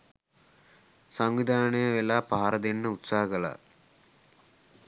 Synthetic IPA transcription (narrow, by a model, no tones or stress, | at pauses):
saŋʋid̪ʱaːnejɐʋelaːpaːaɾɐd̪enːəut̪saːɦɐkɐla̰